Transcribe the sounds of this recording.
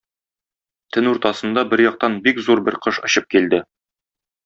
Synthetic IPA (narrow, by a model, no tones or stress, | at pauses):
t̪ʰɘnuɾt̪ɑsɤ̆nd̪ɑbɘɾjɒq̚t̪ɑnbikzuɾbɘɾqɤʃŏɕɤp̚kild̪ɘ